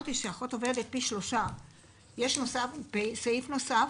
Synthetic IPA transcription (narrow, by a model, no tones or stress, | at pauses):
t̪iʃeaχot̪o̞ved̪et̪̚piʃlo̞ʃa | jeʃno̞safpesejifno̞saf